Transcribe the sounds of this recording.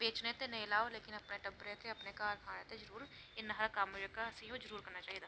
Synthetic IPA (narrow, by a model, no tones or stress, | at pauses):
beːt͡ʃnet̪enɐĩlaːoleːkɪnɐpneʈɐ̃mpɾeːt̪ʰeɐpnekaːɾkʰaːñet̪ezɐɾuːɾ | ɪnːɦɐɾkaːmd͡ʒəkasejõd͡ʒəɾuːɾkɐɾnat͡ʃaːɦid̪aː